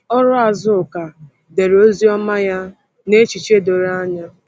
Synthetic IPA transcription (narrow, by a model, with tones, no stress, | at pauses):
ɔ˦ɾʊ˦a˨zʊ˦ʊ˨ka˨ | de˨ɾo˦zi˦ɔ˦ma˦ja˦ | ne˦t͡ʃi˨t͡ʃe˦do˨ɾa˦ɲa˦